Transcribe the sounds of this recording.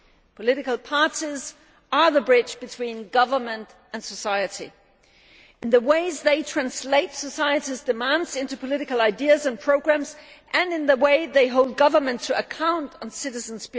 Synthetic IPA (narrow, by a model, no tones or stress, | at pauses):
pʰəlɪɾɨkl̩ˠpʰɑɹɾiz | ə˞ðəbɹɪd͡ʒb̥ɨtʰw̥ĩnɡʌvə˞mɨ̃nt | ɨ̃nsəsaɪɨɾḭ | ɨ̃nðəweɪzðeɪtʰɹ̥æ̃nsleɪtsəsaɪɨɾizdɨmæ̃ndzɪ̃ntʉpʰəlɪɾɨkəl̩ˠaɪdiɨzɨ̃npʰɹ̥oʊɡɹæ̃mzʔɨ̃nɨ̃nðəweɪðeɪɦoʊlˠd̚ɡʌvə˞mɨ̃ntʰɨəkʰãʊ̃ntn̩sɪɾɨz̃n̩zb